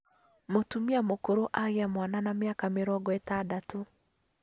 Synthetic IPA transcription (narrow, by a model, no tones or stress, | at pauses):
motumiamokoɾoʔaɣeamwananamjakameɾɔɡɔetadato